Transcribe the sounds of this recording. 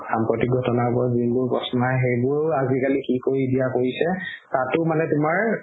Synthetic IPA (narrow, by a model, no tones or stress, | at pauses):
sampɹɔtik̚ɡʱɔtɔnabɔzinbʊɹpɹɔ̰sɔnaɦejbʊɹazikalikikoɹidijakoɹisɛ | tatʊmanɛtʊmaɹ